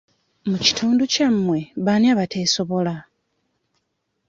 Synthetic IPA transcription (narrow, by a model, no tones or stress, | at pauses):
muci̥tʰuːnducamːwe̞βanjaːβatʰe̞ːso̞βo̞la